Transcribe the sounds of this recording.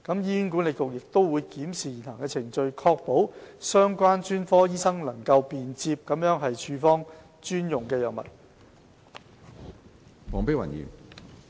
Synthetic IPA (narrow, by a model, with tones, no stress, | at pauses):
kɐ˨˥mjiː˥y˥nk̬u˨˥nle˨˩jkʊ˨k̚jɪ˨k̚t̪o˥wwuː˨˧jkiː˨˥msiː˨ji˨˩nʰaː˨˩ŋkɛː˧t͡sʰɪ˨˩ŋt͡ʃɵ˧ɥkʰɔː˧k̚po˨˥wsœː˥ŋkʷaː˥nt͡ʃyː˥nfɔː˥jiː˥sɐ˥ŋlɐ˨˩ŋkɐ˧wpiː˨nt͡siː˧p̚kɐ˨˥mjœː˨˥ŋɦɐ˨jt͡ʃʰyː˨˧fɔː˥ŋ | t͡ʃyː˥njʊ˨˩ŋkɛː˧jœː˨˩ŋmɐ̰˨˩t̚ | fɔː˨˩ŋpe˥wɐ̰˨˩njḭ˨˩n